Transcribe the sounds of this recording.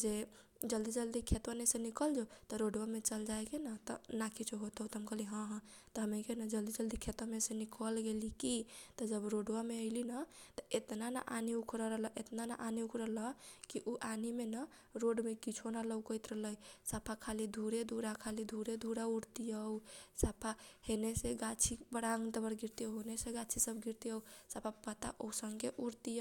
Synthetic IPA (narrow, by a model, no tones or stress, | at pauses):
d͡ʒe | d͡ʒəld̪id͡ʒəld̪ikʰet̪wənesenikəld͡ʒot̪ɔɾoɖwamet͡ʃəld͡ʒajkenət̪ɔ̰nakʰit͡ʃʰoɦot̪əwt̪əmkəliɦə̃ɦ | t̪ɔɦəmekenəd͡ʒəld̪id͡ʒəld̪ikʰet̪əmesenikəlɡelikit̪ɔd͡ʒəbɾoɖwameəɪlinət̪əet̪nana̰ʔaniukʰɾəɾəɦləʔet̪nana̰ʔaniukʰɾələkiʔuʔanimenə | ɾoɖmekit͡ʃʰonaləwkəjt̪ɾəɦləjsapʰakʰalid̪ʱuɾed̪ʱuɽakʰalid̪ʱuɾed̪ʱuɽauɾt̪ijəwsapʰaheneseɡat͡ʃʰibəɽaŋt̪əbəɾɡiɾt̪iəwɦoneseɡat͡ʃʰisəbɡiɾt̪iəwsapʰapət̪a̰ʔousəŋɡeʔuɾt̪i